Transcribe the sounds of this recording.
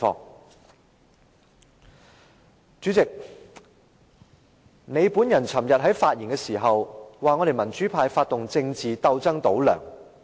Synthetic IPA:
ɔ̰ː˧˥ŋ | t͡ʃyː˨˥t͡sɪ˨k̚ | ne˨˧jpuː˨˥njɐ˨˩nt͡sʰɐ˨˩mjɐ˨t̚ɦɐ˨˥jfaː˧t̚ji˨˩nkɛː˧siː˨˩ɦɐ˨wwaː˨ŋɔː˨˧ɾe˨jmɐ˨˩nt͡ʃyː˨˥pʰaː˧jfaː˧t̚t̪ʊ˨ŋt͡sɪ˧ŋt͡siː˨t̪ɐ˧wt͡sɐ˥ŋt̪o˨˥wlœ̰ː˨˩ŋ

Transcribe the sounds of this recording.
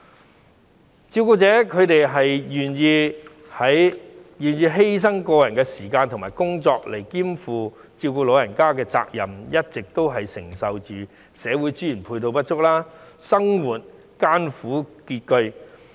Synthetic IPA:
t͡siː˧wkuː˧t͡sɛː˨˥kʰɵ˨˧ɥt̪e˨jɦɐ˨jjyː˨˩njiː˧ | hɐ˨˥jjyː˨˩njiː˧ɦe˥js̬ɐ˥ŋkɔː˧jɐ˨˩nkɛː˧siː˨˩kaː˧nt̪ʰʊ˨˩ŋmaː˨˩jkʊ˥ŋt͡sɔː˧k̚le˨˩jkiː˥mfuː˨˧ | t͡siː˧wkuː˧lo˨˧wjɐ˨˩nkaː˥kɛː˧t͡sa̰ː˧k̚jɐ˨˩mjɐ˥t̚t͡sɪ˨k̚t̪o˥wɦɐ˨jsɪ˨˩ŋsɐ˨wt͡ʃyː˨ | sɛː˨˥wuː˨˥jt͡sy˥ji˨˩npʰuː˧t̪o˧wpɐ˥t̚t͡ʃʊ˥k̚laː˥sɐ˥ŋwuː˨˩t̚ | kaː˥nfuː˨˥kiː˧t̚kɵ˧ɥ

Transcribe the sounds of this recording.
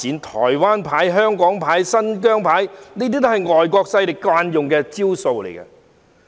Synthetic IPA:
iː˨˥nt̪ʰɔ̰ː˨˩jwaː˥npʰaː˨˥jɦœː˥ŋkɔː˨˥ŋpʰaː˨˥jsɐ˥nkœː˥ŋpʰaː˨˥jniː˥t̪̬iː˥t̪o˥hɐ˨jŋɔː˨jkɔː˧k̚sɐ˧jlɪ˨k̚kwaː˧njʊ˨ŋkɛː˧t͡siː˥wso˧wlḛ˨˩jkɐ̰˧

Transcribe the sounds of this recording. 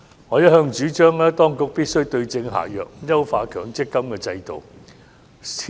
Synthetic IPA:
ŋɔː˨˧jɐ˥t̚hœː˧ŋt͡ʃyː˨˥t͡ʃœː˥ŋlɛː˥t̪ɔː˥ŋkʊ˨k̚piː˥t̚sɵ˥ɥt̪ɵ˧ɥt͡sɪ˧ŋɦa̰ː˨˩jœː˨k̚jɐ˥wfaː˧kʰœː˨˩ŋt͡sɪ˥kːɐ˥mkɛː˧t͡sɐ˧jt̪o̰˨w | sʰ

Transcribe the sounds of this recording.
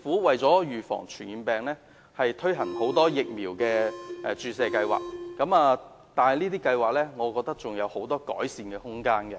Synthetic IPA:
fuː˨˥wɐ˨jt͡sɔː˨˥jyː˨˩fɔ̰ː˨˩ŋt͡ʃʰyː˨˩niː˨˧npɛː˨˩ŋlɛː˥ | hɐ˨jt̪ʰɵ˥ɥɦɐ˨˩nho˨˥wt̪ɔː˥jɪ˨k̚miː˨˩wkɛː˧ʔɛː˧t͡ʃyː˨sɛː˨kɐ˧jwa̰ː˨k̚kɐ˨˥maː˨˧ | t̪aː˨nhɐ˨˩jniː˥t̪iː˥kɐ˧jwaː˨k̚lɛː˥ŋɔː˨˧kɔː˧k̚t̪ɐ˥k̚t͡sʊ˨ŋjɐ˨˧who˨˥wt̪ɔː˥kɔ̰ː˨˥jsiː˨˧nkɛ˧hʊ˥ŋkaː˥nkɛ˧

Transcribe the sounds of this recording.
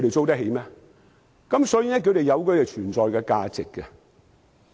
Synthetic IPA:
ɥɾe˨jt͡so˥wt̪ɐ˥k̚ɦe˨˦jmɛː˥ | kɐ˨˥msɔː˨˧˥ji˨˧nɛː˥k̬ʰt̪e˨jɐ˨˧wkɔ˧jɛ˨t͡ʃʰyː˨˩nt͡sɔː˨jkɛ˧kaː˧t͡sɪ˨kːɛ˧

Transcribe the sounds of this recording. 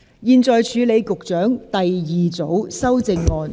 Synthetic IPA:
jiː˧nt͡sɔː˨jt͡ʃʰyː˨˧le˨˧jkʊ˨k̚t͡ʃœː˨˥ŋt̪ɐ˨jjiː˨t͡so˨˥wsɐ˥wt͡sɪ˧ŋːɔː˨˧n

